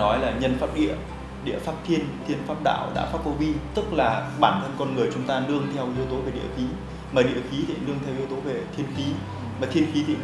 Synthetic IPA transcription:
nɔ˨˦jlaː˨˩ɲə˧˩nfaː˦˥p̚ɗḭ˧˨ə | ɗḭ˧˨əfaː˦˥p̚t̪ʰi˧ənt̪ʰi˧ənfaː˦˥p̚ɗa̰ː˧˨wɗa̰ː˧˥faː˦˥p̚o˧vi˧t̪ɨ˦˥k̚laː˨˩ɓaː˧˩nhəː˧nkɔ˧nŋɨ˨˩əjt͡ɕʊ˨˦ŋ͡mt̪aː˧nɨ˧əŋt̪ʰɛ˧wʔi˧˦əwt̪o˨˦ve˨˩ɗḭ˧˩əxi˨˦ | maː˨˩ɗḭ˧˨əxi˨˦t̪ʰḭ˧˨˩ənɨ˧əŋt̪ʰɛ˧wʔi˨˦əwt̪o˨˦ve˨˩t̪ʰi˧ənxi˨˦ | maː˨˩t̪ʰi˧ənxi˨˦t̪ʰḭ˧˨

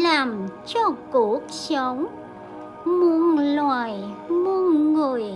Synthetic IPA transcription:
laː˨˩mt͡ɕɔ˧ku˧˩ək̚sə˨˦wŋ͡m | mu˧nlwaː˨˩jmu˧ənŋɨ˨˩əj

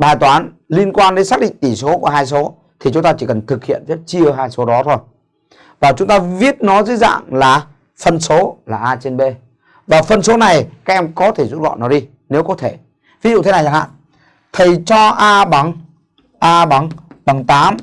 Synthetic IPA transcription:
ɓaː˨˩jt̪waː˨˦n | li˧ənkwaː˧nɗe˨˦nsaː˦˥k̚ɗḭ˧˨ŋt̪i˧˩so˨˦ku˧˩əɦaː˧js̬o˨˦ | t̪ʰi˨˩t͡ɕʊ˨˦ŋ͡mt̪aː˧t͡ɕi˧˩kə˨˩nt̪ʰɨ˨˩k̚hḭ˧˨ənzə˦˥t̚t͡ɕɨ˧əɦaː˧jso˨˦ɗɔ˨˦t̪ʰo˧˩j | vaː˨˩t͡ɕʊ˨˦ŋ͡mt̪aː˧vi˦˥ət̚nɔ˨˦zə̰˧˥za̰ː˧˨ŋlaː˨˩ | fə˧˩nso˨˦laː˨˩ʔaː˧t͡ɕe˧nɓe˧ | vaː˨˩fə˧nso˨˦na˨˩jkaː˦˥k̚ʔɛ˧mkɔ˨˦t̪ʰe˧˩zu˦˥t̚vɔ̰˧˨nɔ˨˦ɗi˧ | ne˨˦wkɔ˨˦t̪ʰe˧˩ | vi˨˦zṵ˧˨t̪ʰe˦na˨˩ja˨˩ha̰ː˧˨ | t̪ʰə˨˩jt͡ɕɔ˧ʔaː˧ɓa˨˦ŋ | ʔaː˧ɓa˨˦ŋɓa˨˩ŋt̪aː˨˦m

